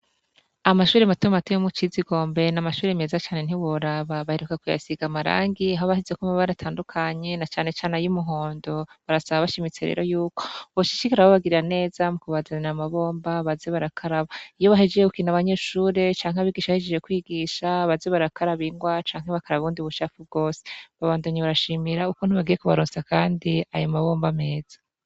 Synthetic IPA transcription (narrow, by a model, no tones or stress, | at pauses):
amaʃuːɾematumatujomut͡ʃiziɡo̞ːmbe̞namaʃuːɾemeːzat͡ʃaːne̞n̥iwoɾaβaβaheɾukakuja̰siɡamaɾa̰ːŋɡiaɦoβahizekamuβaɾatʰaːndukʰaɲe̞nat͡ʃaːne̞t͡ʃaːnejumuɦo̞ːndo̞βaɾasaβaβaʃimit͡se̞ɾḛːɾo̞juːko̞βoʃi̥t͡ʃikaɾaβoβaɡiɾiɾane̞ːzamukuβazaniamaβo̞ːmbaβazeβaɾakʰaɾaβaijo̞βaɦed͡ʒejekukinaβaɲe̞ːʃuːɾe̞t͡ʃaːŋɦaβiːɡiʃaβahed͡ʒed͡ʒekwiːɡiʃaβazeβaɾakʰaɾaβiŋɡwat͡ʃaːŋheβakaɾaβuːndiβut͡ʃaːfub̚ɡo̞ːse̥βaβaːndoɲeβaɾaʃiːmiɾaukoniβaɡije̞kuβaɾoːnsakaːndia̰jomaβo̞ːmbame̞ːz̥ḁ